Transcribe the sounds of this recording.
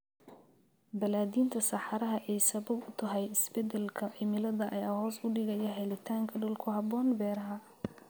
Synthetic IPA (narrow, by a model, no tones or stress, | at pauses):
bɐlaːðiːnt̪ʰɐsɑħɑɾɐɦɐʔɛjsɐβɐbʊt̪ʰɐɦɛjɪsbɛd̪ɛlkʰɐʕɪmɪlɐðɐʔɐjaaːɦɔːsʊɖɪɣɐjɐɦɛlɪt̪ʰaːŋkʰɐɖʊlkʰʊɦɑbɔːnbɛːɾɐɦɐ